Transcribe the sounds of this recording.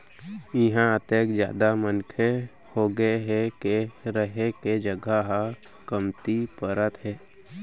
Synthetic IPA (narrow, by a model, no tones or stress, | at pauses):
ɪɦãət̪eːkd͡ʒja̰ːd̪amənkʰe | hoɡəeɦɛkeɾəɦeked͡ʒəɡəɦa | kəmt̪ipəɾət̪ɦɛː